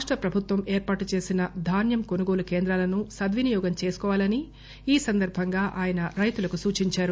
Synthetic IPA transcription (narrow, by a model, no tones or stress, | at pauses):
aːʂʈɾɐpɾɐbʱut̪ʋɐmeːɾpaːʈut͡ʃe̞ːsinɐd̪ʱaːnjɐmko̞nuɡoːlukeːnd̪ɾaːlɐnusɐd̪ʋinijɔːɡɐmt͡ʃe̞ːsu̥kɔːʋaːlɐni | iːsɐnd̪ɐɾbʱɐŋɡaːʔaːjɐnɐɾɐjt̪ulɐkusuːt͡ʃiɲt͡ʃaːɾu